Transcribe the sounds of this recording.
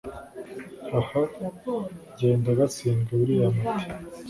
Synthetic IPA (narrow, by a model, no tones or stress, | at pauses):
aha | ɟe̞ːndaɡasiːŋɡaβuɾijamati